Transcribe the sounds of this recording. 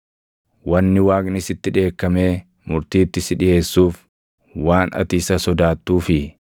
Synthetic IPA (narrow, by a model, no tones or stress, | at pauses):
wɐnːɪwaːknɪsɪt̪ːɪᶑe̞ːkːɐme̞ː | mʊɾt̪iːt̪ːɪsɪᶑɪje̞ːsːuːf | waːnɐ̰t̪iːsɐsɔd̪aːt̪ːuːfɪ